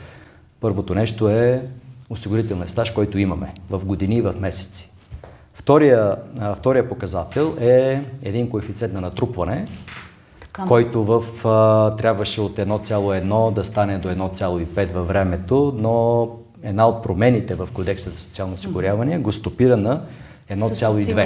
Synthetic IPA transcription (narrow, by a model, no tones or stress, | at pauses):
pɤɾvot̪onɛʃt̪oɛosiɡʊɾit̪ɛlˠnɐst̪aʃkɔjt̪oimɐmɛ̰vɐfɡod̪iniːvɐfmɛsɛ̥t̪si̥ | ft̪ɔɾijəft̪ɔɾijəpokɐzat̪ɛlˠɛɛd̪inkoɛfit̪sɛnt̪nɐnɐt̪ɾupvɐnɛ | kɔjt̪ovɐft̪ɾʲjabvɐʃɛot̪ɛd̪nɔt̪sʲjalˠoɛd̪nɔd̪ɐst̪anɛd̪oɛd̪nɔt̪sʲjalˠoipɛt̪vɐvɾɛmɛt̪ono | ɛd̪naot̪̚pɾomɛnit̪ɛvɐfkod̪ɛksət̪ɐso̥t̪sialˠnosiɡʊɾʲjavɐniɛɡost̪opiɾənɐ | ɛd̪nɔt̪sʲalˠoid̪vɛ